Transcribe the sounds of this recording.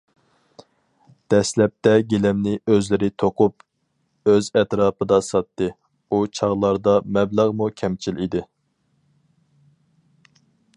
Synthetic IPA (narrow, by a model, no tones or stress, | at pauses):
d̪̥ɛslɛp̚t̪ɛɡʲelɛmnɪøzlɪɾɪt̪ʰoqʰup | øzɛt̪ɾɑːpɨd̪ɑsɑt̪ːɨ | ut͡ʃʰɑʁlˠɑɾd̪ɑmɛblæʁmukʲʰɛmt͡ʃʰilid̪ɪ